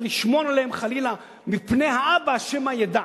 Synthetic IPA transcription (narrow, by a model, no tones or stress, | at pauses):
liʃmonaleemχalila | mipnejaʔabaʃemhajed̪a